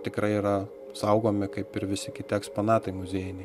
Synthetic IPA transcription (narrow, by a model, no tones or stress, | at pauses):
t̪ʲɪkɾɐɪiːɾɐ | sɐʊɡoːmʲɪkɐɪpɪɾʋʲɪsʲɪkʲɪt̪ʲɪɛksponɑːt̪ɐɪmʊzʲeːjɪnʲɛɪ